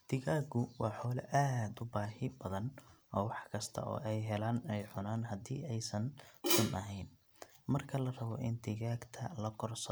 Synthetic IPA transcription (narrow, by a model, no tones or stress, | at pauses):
t̪ʰɪɣaːɡʊwɑːħɔːlɐʔad̪ʊbaːhɪbɐðɐnɔːwɑħkʰɐst̪ʰɐ̰ʔɔ̰ːʔɛjɦɛlaːnɛjħʊnaːnɦɐd̪ḭːɛjsɐnsʊmʔɐɦɛjn | mɐrkʰɐlɐrɐβɔʔɪnt̪ʰɪɣaːɡt̪ʰɐlɐkʰɔrsɐ